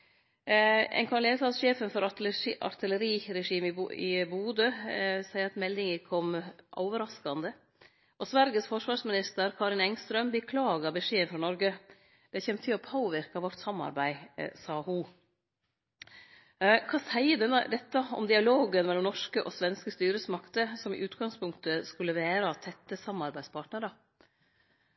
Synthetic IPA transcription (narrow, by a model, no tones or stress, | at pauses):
ɛ̰nŋkʰɑɾleːsɑːsʂeːfənfɔɾɑɑ̰ɾt̪ʰɪləɾiːɾɛʂiːmɪ̰buːd̪əsæɪəɾɑt̪mɛld̪ɪŋəkʰɔmʔo̰ːʋəɾɑskɑnd̪ə | ʔɔsʋæɾɡəsfɔʂʋɑːɾʂmɪnɪst̪əɾkʰɑːɾɪnɛŋst̪ɾœmbəkʰlɑːɡɑbəʂeːənfɾɑːnɔɾɡə | d̪̥ɛçɛnt̪ʰɪlɔpʰoːʋɪɾkɑʋɔʈːsɑmːɑ̰ɾbæɪsɑːhʊ | kʰɑːsæɪəd̪ɛnːə̰d̪ɛt̪ːɑɔ̰md̪ɪɑloːɡənmɛlːɔmnɔʂkəʔɔsʋɛnskəst̪yːɾəsmɑkt̪əsɔmɪ̰ʔʉːt̪ɡɑŋspʰʊŋkt̪əskʉlːəʋæːɾɑt̪ʰɛt̪ːəsɑmːɑɾbæɪspʰɑːʈnəɾɑ